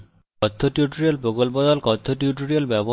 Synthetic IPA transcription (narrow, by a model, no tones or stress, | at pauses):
ɔt̪ʰːoʈjuʈuɾielpɾokolpod̪ɔlkɔt̪ʰːoʈjuʈuɾielbɛbo